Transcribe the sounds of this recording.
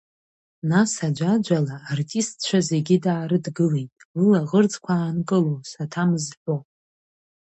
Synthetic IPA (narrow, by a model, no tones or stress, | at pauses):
nasad͡ʒʷad͡ʒʷalaːrtʼistʰt͡ʃʷʰaze̞ɡʲɪdaːɾɨdɡɨle̞jtʼwɨlaʁərd͡zʼkʷʰaːnkʼɨlosatʰamɨzħʷᶣo